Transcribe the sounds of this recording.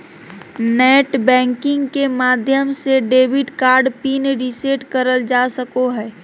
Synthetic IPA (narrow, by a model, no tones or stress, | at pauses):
nɛːʈbɛ̃ːŋkɪ̃ŋɡkemaːd̪ʱjəmseɖeːbʱiʈkaːɾɖpiːnɾiseʈkəɾəld͡ʒasəkoɦɛː